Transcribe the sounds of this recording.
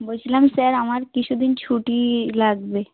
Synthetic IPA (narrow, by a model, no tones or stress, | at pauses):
but͡ɕʰlamsɛɾamaɾkit͡ɕʰud̪int͡ɕʰuʈilaɡbe